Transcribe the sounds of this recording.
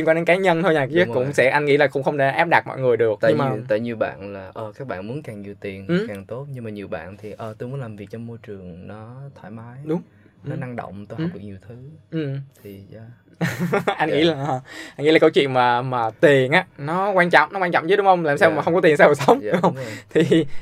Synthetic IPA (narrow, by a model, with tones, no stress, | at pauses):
i˧ŋkwaː˧ɗe˨˦nkaː˨˦ɲə˧nt̪ʰo˧jɲaː˨˩t͡ɕə˦˥kʊ̰˧˥ŋ͡msɛ̰˧˥ʔa˧jŋ̟ŋḭ˧˥laː˨˩kʊ̰˧˥ŋ͡mxə˧wŋ͡mɗḛ˧˩ʔaː˦˥p̚ɗa˨˩mɔ̰˧˨jŋɨ˨˩əjɗɨ˨˩ək̪̚ə̰˧ŋmaː˨t̪ə̰˧˨ɲi˨˧əwɓa̰ː˧˨nlaː˨˩ʔəː˨˩kaː˦˥k̚ɓa̰ː˧˨nmu˨˦nkaː˨˩ŋɲi˨˩wt̪i˨˩ən̩˨˩kaː˨˩ŋt̪o˦˥t̚ɲɨ˧ŋmaː˨˩ɲi˨˩əwɓa̰ː˧˨nt̪ʰi˨˩ʔəː˨˩t̪o˧jmu˨˦laː˨˩vi˨˩ək̚t͡ɕɔ˧mːo˧jt͡ɕɨ˨˩əŋnɔ˨˦t̪ʰaː˧˩jmaː˨˦jɗʊ˨˦ŋ͡m | nɔ˨˦na˧ŋɗo̰˧˨wŋ͡mt̪o˧jhpɗɨ˨˩k̚ɲi˨˩əwt̪ʰɨ˨˦ʔɨ˨˩mt̪ʰi˨˩˧ | ʔa˧jŋŋḭ˧˥˦laː˨˩əː˨˩ʔa˧nŋḭ˧˥la˨˩kə˧wt͡ɕwḭ˧˨ənmaː˨˩maː˨˩t̪i˨˩ənʔaː˨˦nɔ˨˦kwaː˧nt͡ɕɔ̰˧˨wŋ͡mnɔ˨˦˥waː˧nt͡ɕɔ̰˧˨ŋ͡mt͡ɕə˨˦ɗʊ˨˦ŋ͡mhə˧wŋ͡mlaː˨˩msaː˧aː˨˩xə˧wŋ͡mkɔ˨˦t̪i˨˩nsaː˧wo˨˩sə˨˦wŋ͡mxə˧wt̪ʰi˨˩